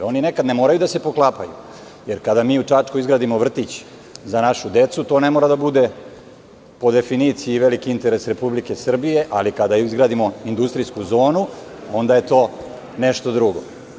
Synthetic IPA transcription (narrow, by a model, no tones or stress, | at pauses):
o̞ninekad̪nemo̞ːɾajud̪ase̞po̞klˠaːpajṵ | je̞ɾkad̪amiːut͡ʂat͡ʂkoizɡɾaːd̪imoʋr̩t̪it͡ɕ | zanaʃud̪e̞t̪sut̪o̞ne̞moɾad̪abud̪e̞ | po̞d̪e̞finit̪sijiːʋe̞likiint̪e̞ɾe̞sɾe̞publike̞sr̩bije̞ʔalikad̪aizɡɾaːd̪imo̞ind̪ust̪ɾiskuzo̞ːnuo̞nd̪aje̞t̪o̞ː | neʃt̪o̞d̪ɾuɡo̞̰